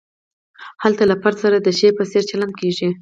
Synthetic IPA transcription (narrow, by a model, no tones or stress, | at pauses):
halt̪alapaɾsaɾad̪əʃepəseɾt͡ʃaland̪̚keʒi